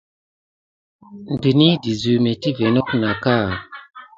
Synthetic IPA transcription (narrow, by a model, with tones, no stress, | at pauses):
n˨di˨ni˦di˨zu˨me˨ti˦ve˨nɔ˦k̚na˨ka˦˨